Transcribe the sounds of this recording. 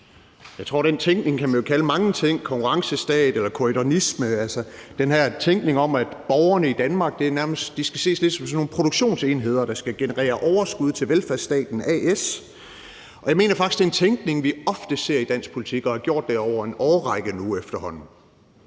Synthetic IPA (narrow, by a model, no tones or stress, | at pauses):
jɑ̈ɪt͡sʰʁo̝ɐ̰ɾ̥ent͡sʰeŋɡ̥ne̝ŋkʰæmænjo̝kʰæləmɑ̈ŋət͡sʰeŋ̰kʰɒ̽ŋkʰuʁɑ̈ŋsəsd̥ɛ̰ːd̥elɐkʰoidonisməælsɐd̥enɦæɐ̰t͡sʰeŋɡ̥ne̝ŋɒ̽mæd̥b̥ɒʊɐnəid̥ænmɑ̈ːɡ̥d̥e̝ɐnæɐməsd̥d̥isɡ̥æse̝̰ːsle̝d̥sɒ̽msɒnːo̝ːn̩pʰʁodɾuɡ̥ɕo̝̰ːnseːnɦe̝ð̞̰ˠɐɾ̥ɑ̈sɡ̥æɡ̥e̝nəʁɛ̰ːɐʔɒʊɐsɡ̥uð̞̰ˠt͡sʰe̝lʋelfæɐ̰sd̥ɛ̰ːd̥n̩ɛes | ɒ̽jɑ̈ɪme̝̰ːnɐfɑ̈ɡ̥i̥sd̥e̝ent͡sʰeŋɡ̥ne̝ŋʋiɒ̽fd̥əse̝ɐ̰id̥æn̰sɡ̥pʰo̝lit͡sʰiɡ̥ɒ̽hɑ̈ɡ̥jo̝ɐ̰d̥ːe̝ɒʊ̰ɐe̝nɒːʁɑ̈ɪɡ̥ənuefd̥ɐhɒ̽n̰n̩